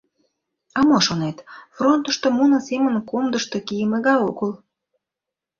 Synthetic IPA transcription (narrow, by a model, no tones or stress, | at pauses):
ɑmoʃonet̪front̪ə̆ʃt̪omunəsemənkomd̪əʃt̪okijəmeɣɑjokəl